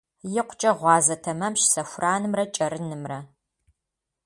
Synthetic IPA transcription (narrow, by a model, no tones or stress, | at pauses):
jɪqʷʰt͡ʃʼɐʁʷɑːzɐtʰɐmɐmʃsɐfʷrʔaːnɨmrɐt͡ʃʼɐɾɨnɨmrɐ